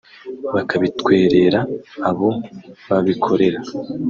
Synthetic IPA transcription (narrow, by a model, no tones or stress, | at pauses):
βakʰaβitkwe̞ːɾe̞ɾaːβo̞βaβikʰo̞ɾe̞ɾa